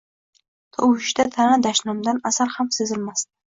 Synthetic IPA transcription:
t̪ʰɒwɪʃd̪at̪ʰanad̪aʃnɒmd̪anasaɾhamsezɪlmast̪ɪ̥

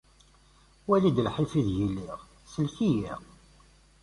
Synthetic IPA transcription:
wælid̪əlħifiðjilːiʁ | səlçijḭʁ

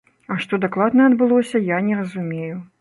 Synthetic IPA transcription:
ɐʂt̪ɔd̪aklˠad̪nɐɐd̪bɨlˠɔsʲɐjanʲɛɾɐzumʲeju

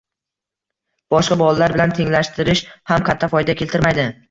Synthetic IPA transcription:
b̥ɒʃqɑbɒlˠalaɾbɪlant̪ʰe̞ŋlaʃt̪ɪɾɪʃhamkʰat̪ʰːafɒjd̪akʲʰe̞lt̪ʰɪɾmajd̪ɪ

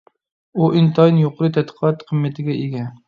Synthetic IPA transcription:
uʔɪnt̪ʰɑnjoqɾɨt̪ʰæt̪qʰɑt̪qʰɨmːæt̪ʰɪɡʲɛʔeɡʲɛ

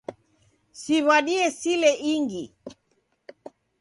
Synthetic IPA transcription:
siβaɗiɛsilɛʔiŋɡi

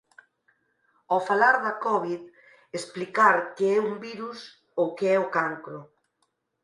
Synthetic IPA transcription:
ofalaɾðɐkɔβ̞ið | esplikaɾkeɛuŋbiɾus | owkeɛokaŋkɾʊ

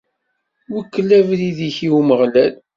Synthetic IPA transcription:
wəkːəlːævliðiçiuməʁlæl

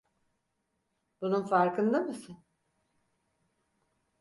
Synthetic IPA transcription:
b̥ununfaɾkʰɯnd̪amɯsɯn

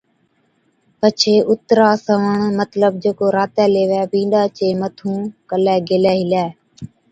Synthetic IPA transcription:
pət͡ʃʰeːʔʊt̪ɾaːsəʋəɳmət̪ləb̚d͡ʒeːkoːɾaːt̪ɛːleːʋɛːbĩːɗaːt͡ʃeːmət̪ʰũːkəlɛːɡeːlɛːɦɪlɛː

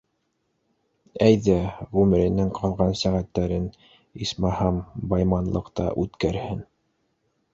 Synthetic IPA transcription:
æjðæʁʉmɘ̆ɾɘ̆nɘŋqʰɑlˠʁɑnsæʁæt̪ːæɾɘn | ismæhɑmbɑjmɑnlˠɤ̰̆qt̪ɑ̰ʔʉt̪kæɾhɘn

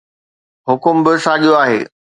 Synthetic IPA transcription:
ɦʊkʊmbɪsãːʄijoaːɦḛː

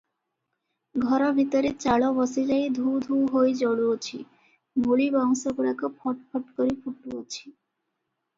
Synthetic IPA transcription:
ɡʱɔɾɔbʱit̪oɾet͡ɕaɭobɔsid͡ʑajd̪ʱud̪ʱuɦojd͡ʑɔɽuot͡ɕʰi | muɭibɔŋsokuɽakopʰɔʈpʰɔʈkoɾipʰuʈuot͡ɕʰi̥

